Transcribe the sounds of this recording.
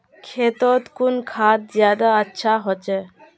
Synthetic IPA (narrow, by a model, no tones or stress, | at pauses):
kʰeːt̪ɔt̪kunkʰaːt̪̚zjaːd̪aətːʃʰaɦɔt͡ʃɛ